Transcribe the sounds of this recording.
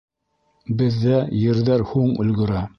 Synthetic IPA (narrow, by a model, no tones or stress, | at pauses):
bɘ̆ðːæjɘ̆ɾðæɾhuɴɵ̰̆lɡɵ̆ɾæ